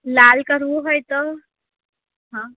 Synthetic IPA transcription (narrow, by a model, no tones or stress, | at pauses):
lalkəɾʋuɦojt̪o | ɦã